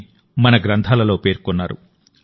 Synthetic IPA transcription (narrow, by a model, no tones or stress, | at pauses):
mɐnɐɡɾɐnt̪ʰaːlɐlo̞ːpe̞ːɾkɔnːaːɾṵ